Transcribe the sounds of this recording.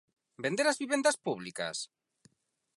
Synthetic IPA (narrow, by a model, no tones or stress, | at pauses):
bẽnd̪eɾazβiβend̪aspuβlika̰s